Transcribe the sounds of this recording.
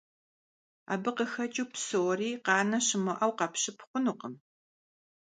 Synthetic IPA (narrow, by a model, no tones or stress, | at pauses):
a̰ːbɨqəxɐt͡ʃʼuːpsowriːqɑːnɐɕɪmɔʔɐwqɐpɕɪpχʷʊnuqəm